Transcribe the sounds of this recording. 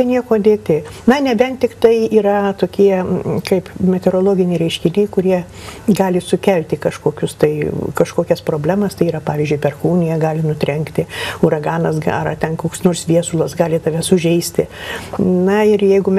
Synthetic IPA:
ɛnʲiɛkoːd̪ʲeːt̪ʲɪnɐnʲɛbʲɛnt̪ʲɪkt̪ɐɪiːɾɐt̪oːkʲiɛkɐɪpmʲɛt̪ʲɛɾoːlˠoːɡʲɪnʲɛɪɾʲɛɪʃʲkʲɪnʲɛɪkʊɾʲiɛ | ɡɑːlʲɪsʊkʲɛlʲt̪ʲɪkɐʃkoːkʲʊst̪ɐɪkɐʃkoːkʲɛspɾoːbʲlʲæːmɐst̪ɐɪiːɾɐpɑːʋʲiːzʲd͡ʒʲʊɪpʲɛrxuːnʲɪjɛɡɑːlʲɪnʊt̪ʲɾʲɛŋkt̪ʲɪʊɾɐɡɑːnɐsɡɐ̰rɐt̪ʲɛnkoːksnoːrsʋʲiɛsʊlˠɐsɡɑːlʲɪt̪ɐʋʲɛsʊʒʲɛɪsʲt̪ʲɪ | nɐɪrjɛɪɡʊmʲ

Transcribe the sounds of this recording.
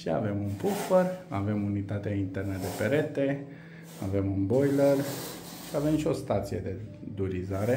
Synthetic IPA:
ʃia̰ve̞munpufərave̞munit̪at̪eaint̪e̞rnəd̪e̞pe̞ɾe̞t̪e̞ | ave̞munbo̞jlər | ʃiave̞mʃio̞st̪at̪sijed̪e̞ | d̪uɾizaɾe̞

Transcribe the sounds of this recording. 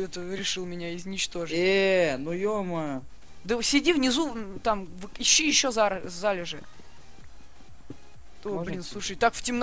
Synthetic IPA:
ɛt̪əɾʲɪʂɨlˠmʲɪnʲaɪznʲɪt͡ɕt̪o̞ʐɨenujomə | d̪əsʲɪdʲivnʲɪzut̪amvɨɪɕːijɪɕːozaɾzalʲɪʐɨ | t̪obblʲinsˠuʂəjt̪akftʲɪmn

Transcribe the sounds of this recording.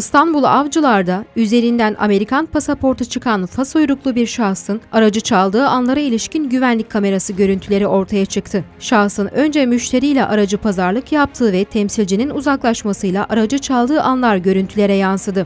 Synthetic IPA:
st̪ʰanbulˠavd͡ʒɯlˠaɾd̪ayze̞ɾind̪ænʔa̰me̞ɾikʰanpʰasapʰo̞ɾt̪ʰut͡ʃʰɯkʰanfasojɾuklˠubiɾʃahsɯnaɾad͡ʒɯt͡ʃʰalˠd̪ɯːanlˠaɾailʲiʃcinɟyvænlʲic̚ʲʰːame̞ɾasɯɟø̞ɾynt̪ʰylʲe̞ɾiʔo̞ɾt̪ʰajat͡ʃʰɯkt̪ʰɯʃahsɯnø̞nd͡ʒɛmyʃt̪ʰe̞ɾijlʲɛ̰ʔaɾad͡ʒɯpʰazaɾlˠɯkjap̚t̪ʰɯːvɛt̪ʰɛmsilʲd͡ʒininuzaklˠaʃmasɯjlˠaʔaɾad͡ʒɯt͡ʃʰalˠd̪ɯːʔanlˠaɾɟø̞ɾynt̪ʰylʲe̞ɾɛjansɯd̪ɯ

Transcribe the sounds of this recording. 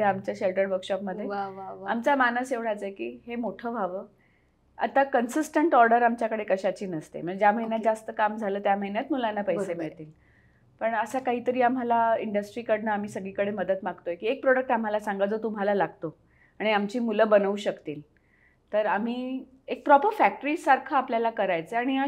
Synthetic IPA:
eamt͡ɕjaɕelʈəɾʋəɾkɕɔpməd̪ʱːjeamt͡samanəseʋɽ̤at͡səjekḭːɦemoʈʰəːbʱaʋəː | a̰t̪akənsisʈəɳʈɔɾɖəɾamt͡ɕjakəɽekəɕat͡ɕiːnəst̪ḛməd͡ʑjam̤əɦinjat̪d͡zast̪əkamd͡zʱaləːt̪jam̤əɦinjat̪mulanːapəjsemiɭt̪iːl | pəɳəsakaɦiːt̪əɾiːam̤alaiɳɖəsʈɾiːkəɽnəam̤iːsəɡɭiːkəɽeməd̪ət̪maɡt̪ojekiːek̚pɾoɽək̚ʈam̤alasaŋɡad͡zot̪um̤alalaɡ̚t̪o | aɽ̃iamt͡ɕiːmuləbənəuːɕəkt̪iːl | t̪əɾam̤iː | ek̚pɾɔpəɾfæk̚ʈəɾiːsaɾkʰəapljalakəɾajt͡səaɽ̃ia

